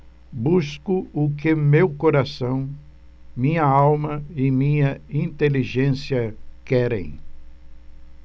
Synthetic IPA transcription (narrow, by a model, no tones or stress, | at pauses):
buskʊʊkɪmewkoɾasɐ̃w̃ | mĩɲɐawmɐɪmĩɲɐĩnt̪eliʒẽsiɐkɛɾḛ̃j̃